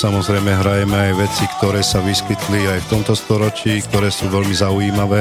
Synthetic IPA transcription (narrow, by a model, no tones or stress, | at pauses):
samɔzɾɛjmɛɦɾajɛmɛajʋɛt͡sikt̪ɔɾɛːsaʋiskit̪liajft̪ɔmt̪ɔst̪ɔɾɔt͡ʃiːkt̪ɔɾɛːsuːʋɛlmizaujiːmaʋɛː